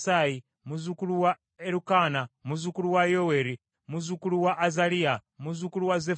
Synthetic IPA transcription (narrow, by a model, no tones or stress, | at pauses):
sai | muzukuluwa | eɾukanamuzukuluwajoweɾi | muzukuluwaʔːzaliamuzukuluwaze